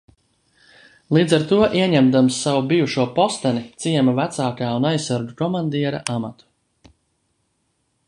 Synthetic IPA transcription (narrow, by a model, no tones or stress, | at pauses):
lˠiːd̪zaɾt̪uɔʔiɛɲɛmd̪amsːavubijuʃuɔpɔst̪ɛnit̪siɛmavæt̪saːkaːunajsːaɾɡukɔmand̪iɛɾa̰ʔamat̪u̥